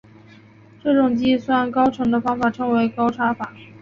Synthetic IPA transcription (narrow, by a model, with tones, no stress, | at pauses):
ʈ͡ʂɤ˥˩ʈ͡ʂʊ˨˩ŋt͡ɕi˥˩swa˥nkɑ˥ʊʈ͡ʂʰɤ˧˥ŋd̪ə˧fɑ˥ŋfa˨˩ʈ͡ʂʰɤ˧˥ŋwe˧˥ɪkɑ˥ʊʈ͡ʂʰa˥fa˨˩˦